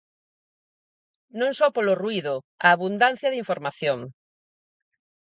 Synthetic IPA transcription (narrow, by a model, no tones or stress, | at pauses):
nõŋsɔpoloruiðʊ | aːβund̪an̟θjɐðiɱfoɾmaθjoŋ